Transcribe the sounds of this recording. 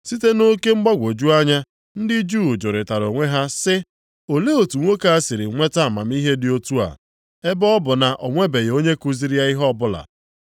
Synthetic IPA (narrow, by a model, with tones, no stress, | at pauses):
si˦te˦no˦ke˦ŋ͡m̩˦ɡ͡ba˦ɡʷo˨d͡ʒu˦a˦ɲa˦ | n̩˦dɪ˦d͡ʒu˦˨d͡ʒʊ˨ɾɪ˨ta˨ɾo˨ŋʷe˦ɦa˦sɪ˦ | o˨le˦o˨tu˨ŋʷo˦ka˨˦a˦sɪ˨ɾɪ˨ŋʷe˦ta˦˨ma̰˨m̩˦i˦ɦe˦dɪ˨˦o˦tu˦a̰˨ | e˦bɔ˦bʊ˨na˨ʔɔ˨ŋʷe˦be˨jo˦ɲe˦ku˦zi˦ɾja˦i˦ɦɔ˦bʊ˦la̰˨